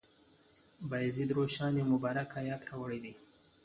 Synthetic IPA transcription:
bajzid̪ɾoʃɑnemʊbɑɾakajɑkɾɑwəɽed̪i

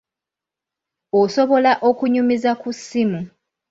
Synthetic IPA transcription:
oso̞βo̞laʔokuɲumizakusːimu

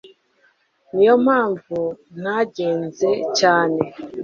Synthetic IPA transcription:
nijo̞m̥haːɱvun̥haɟe̞ːnze̞caːne̞

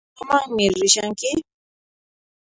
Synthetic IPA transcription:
ɔmaŋmirɾiʃaŋ̩kɪ

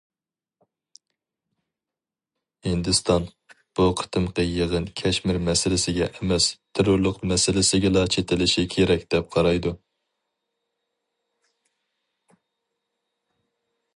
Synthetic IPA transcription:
hɪnd̪ɨst̪ʰɑn | b̥uqʰə̥t̪ʰɨmqəjəʁənkʲʰɛʃmɪɾmɛsɪlɪsɪɡʲɛ̰ʔɛmɛst̪ʰeɾʊɾlˠʊqmɛsɪlɪsɪɡʲɛlɑt͡ʃʰet̪ʰɪlɪʃikʲʰeɾɛkʲd̪̥ɛp̚qʰɑɾɑjd̪u

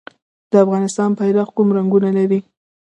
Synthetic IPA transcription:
d̪̥əafɣɑnɪst̪ɑnpajɾɑxkumɾaŋɡunalaɾi

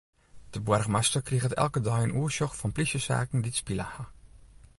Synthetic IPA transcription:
d̥əbwɛrxmastərkriɣətɛ̰lˠkədœjənuːəʃjɔxfɔnplisjəsa̰ːkn̩ditspiləha

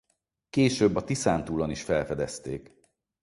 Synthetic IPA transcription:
keːʃøbːɒt̪isaːnt̪uːloniʃfɛlfɛd̪ɛst̪eːk

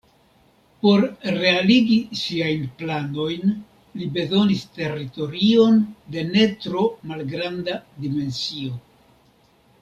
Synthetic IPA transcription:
po̞ɾɾe̞aliɡisiajnplano̞jn | libe̞zo̞niste̞rito̞ɾio̞nde̞ne̞tɾo̞malɡɾandadime̞nsio̞

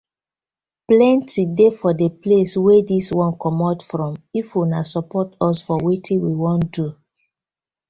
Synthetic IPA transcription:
plɛ̃ntidefɔdepleswediswɔ̃nkɔmɔtfɹɔ̃mifwunasɔpɔtɔsfɔwetʰĩwiwɔ̃ntdu

